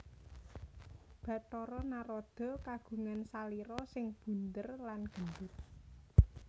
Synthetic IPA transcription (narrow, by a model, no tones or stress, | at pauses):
b̥ä̤t̪ɔɾɔnaɾɔd̪̥ɔ̤kaɡ̥ṳŋansaliɾɔsɪŋb̥ṳnt̪ərlanɡ̥ə̤nd̪ʊt̪̚